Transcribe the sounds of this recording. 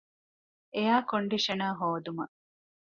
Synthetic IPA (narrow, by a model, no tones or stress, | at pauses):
ejaːkoɳɖiʂɐnaːɦoːd̪umɐ̰